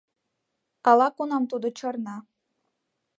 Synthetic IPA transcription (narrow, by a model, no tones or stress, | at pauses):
ɑlɑkunɑmt̪ud̪ot͡ɕɤrnɑ